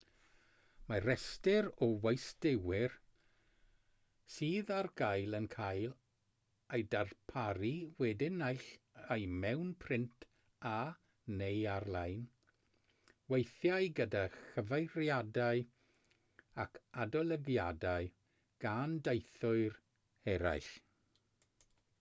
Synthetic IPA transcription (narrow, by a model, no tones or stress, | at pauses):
maɾɛstɪɾɔwejsdɪwɪr | siːðarɡajlˠənkʰajlˠ | ejdarpʰaɾiwɛdɪnajɬ | ajmɛwnpʰrɪntʰ | a | nejarlˠajn | wejθjajɡədaxəvejɾjadaɨ | akʰadɔlˠəɡjadaɨ | ɡ̥andejθʊɨr | ɛɾa̰jɬ